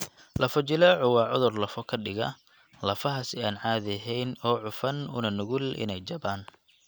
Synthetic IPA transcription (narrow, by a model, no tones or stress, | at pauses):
lɐfɔt͡ʃɪlɛːʕʊwɑːʕʊðʊrlɐfɔkʰɐɖɪɣɐ̰ | lɐfɐɦɐsɪaːnʕaːðɛɦɛjnɔːʕʊfɐnʊ̰nɐnʊɣʊlʔɪ̰nɛjt͡ʃɐbaːn